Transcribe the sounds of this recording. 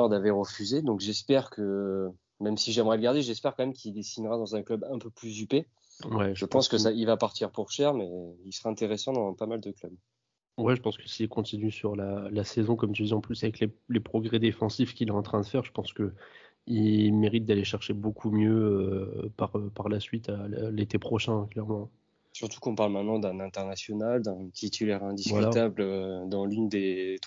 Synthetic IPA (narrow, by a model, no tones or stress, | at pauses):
ɔʁd̪aveʁəfyzed̪ɔ̃kʒɛspɛʁkʰə | mɛmsiʒɛmʁɛləɡaʁd̪eʒɛspɛʁkɑ̃mɛmkʲʰild̪esinʁad̪ɑ̃zɛ̃klœbɛ̃pøplyzype | wɛʒəpɑ̃skəsailvapaʁt̪iʁpuʁʃɛʁmɛilsəʁaɛ̃t̪eʁesɑ̃d̪ɑ̃pamald̪əklœb | wɛʒəpɑ̃skə̥silkɔ̃t̪inysyʁlalasezɔ̃kɔmt̪yd̪iɑ̃plysavɛklelepχɔɡʁɛd̪efɑ̃sifkʲilɛɑ̃t̪χɛ̃d̪əfɛʁʒəpɑ̃skə | ilmeʁit̪̚d̪aleʃɛʁʃebokʰumjøøpaʁøpaʁlasɥit̪alet̪epχɔʃɛ̃klɛʁmɑ̃ | syʁt̪u̥kɔ̃paʁlmɛ̃t̪nɑ̃d̪ɛ̃nɛ̃t̪ɛʁnasjɔnald̪ɛ̃t̪ʰit̪ʰylɛʁɛ̃d̪isvvwkylat̪ablød̪ɑ̃lynd̪et̪